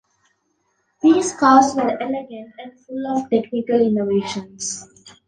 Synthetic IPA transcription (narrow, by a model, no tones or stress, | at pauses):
d̪iːskaːsʋəɾeliɡə̃ɳʈɛ̃ɳɖfʊlɔʋʈeknɪkəlɪnoʋeːʃə̃ns